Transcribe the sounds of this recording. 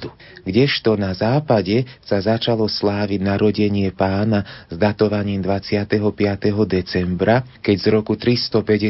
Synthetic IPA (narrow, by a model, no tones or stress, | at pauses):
d̪u | ɡɟɛʃt̪ɔnazaːpaɟɛsazat͡ʃalɔslaːʋinaɾɔɟɛɲɪɛpaːnazd̪at̪ɔʋaɲiːmd̪ʋat͡sɪat̪ɛɦɔpɪat̪ɛɦɔd̪ɛt͡sɛmbɾakɛɟzɾɔkut̪ɾist̪ɔpɛɟɛ